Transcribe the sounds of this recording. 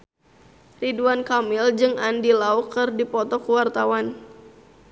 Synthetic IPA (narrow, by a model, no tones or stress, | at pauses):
riduankamɪld͡ʒɨŋandilaukɨrdipɔt̪ɔkuwart̪awan